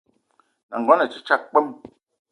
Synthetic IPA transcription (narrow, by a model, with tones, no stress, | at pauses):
na˨ŋ˨ɡɔ˨˦nɛ˨t͡ʃi˦t͡ʃa˦˨k̚k͡pə˦m